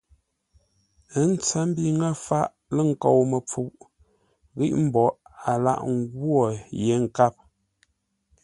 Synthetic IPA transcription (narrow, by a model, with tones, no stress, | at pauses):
ə˦n̩˦t͡sə˦m̩˦bi˦ŋə˦fa˦ʔ | lə˦˨ŋ̩˨ko˨wmə˨p͡fu˨ʔ | ɣi˦ʔm̩˦bɔ˨a˨la̰˦˨ʔŋ˦ɡwɔ˦˨je˨˦ŋ̩˨ka˦p̚